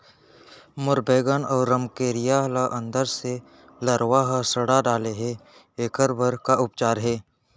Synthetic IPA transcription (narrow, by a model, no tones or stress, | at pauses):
mʊɾbeːɡənɔːɾːəmkeːɾɪjalaʔə̃nd̪əɾse | ləɾwaɦəsəɽaɖaːleɦɛ | eːkəɾbəɾkaʊpt͡ʃaːɾɦɛː